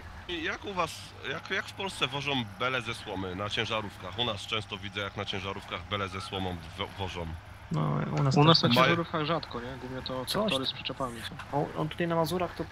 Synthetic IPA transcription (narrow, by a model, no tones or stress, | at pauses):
ijakuvas | jakjakfpɔlst̪sɛvɔʐɔmbɛlɛzɛswɔmɘnat͡ɕɛ̃w̃ʐaɾufkaxunast͡ʂɛ̃w̃st̪ɔvʲidzɛjaknat͡ɕɛ̃w̃ʐaɾufkaɣbɛlɛzɛswɔmɔmvvɔʐɔm | nɔ̰ṵnasunast̪akt͡ɕmɛ̃jʒaɾufkaɣʐat̪kɔɲɛɡuvɲɛt̪ɔt̪ɾaɔk̪ɔɾɪspʂɛ̥t͡ʂɛpamʲit̪ɔɔɔ̰nt̪ut̪ajnamazuɾaxt̪ɔ